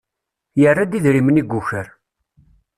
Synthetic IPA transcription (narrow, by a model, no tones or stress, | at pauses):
jərːad̪iðɾiməniɡʷːuçəɾ